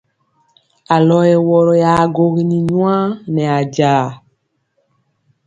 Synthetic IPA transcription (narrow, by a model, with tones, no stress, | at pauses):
a˨lɔ˦jɛ˨wɔ˨ɾɔ˨ja˨ɡo˨ɣi˦nĩ˨ɲw̃ã˦nɛ˨a˨ɟaː˨